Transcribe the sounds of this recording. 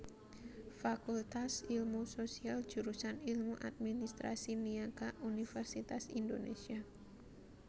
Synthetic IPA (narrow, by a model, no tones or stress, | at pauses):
fakult̪asilmusosial̥d͡ʒ̥uɾusanilmuʔa̰d̪̚minist̪ɾa̰siniakaʔunifɛrsit̪asindonḛsia